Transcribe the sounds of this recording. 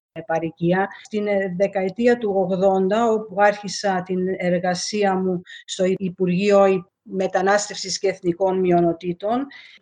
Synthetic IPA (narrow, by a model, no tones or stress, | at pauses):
pɐɾiciɐt̪inðe̞kɐet̪iɐt̪uoɣðo̞nd̪ɐo̞puɐɾçisɐt̪ine̞ɾɣɐsiɐmust̪o̞iipuɾʝio̞i | me̞t̪ɐnɐst̪e̞fsisceːθniko̞nmio̞no̞t̪it̪o̞n